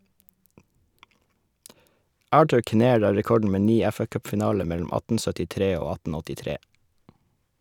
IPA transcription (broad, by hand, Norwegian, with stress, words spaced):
ˈɑːʈʉɾ kɪˈneːɹ ˈɑː ɹɛˈkɔɖɳ̩ ˈmeː ˈniː ˈɛfɑˌkœpfɪˌnɑːlə ˈmɛlʊm ˈɑtn̩ sœtɪˈtɾeː ˈoː ˈɑtn̩ ɔtɪˈtɾeː